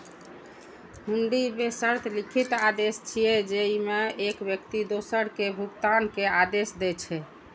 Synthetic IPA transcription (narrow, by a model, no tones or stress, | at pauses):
ɦuɳɖibesəɾt̪ʰlikʰit̪ad̪est͡ʃʰijɛd͡ʒeimeekbjək̚t̪id̪osəɾkebʱuɡt̪ankead̪esd̪ɛt͡ʃʰɛ